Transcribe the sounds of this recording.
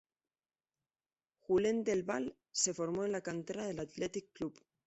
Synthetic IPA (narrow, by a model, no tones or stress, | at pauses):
xule̞nd̪e̞lβal | se̞fo̞ɾmoenlakant̪eɾaðe̞lat̪let̪ikːlup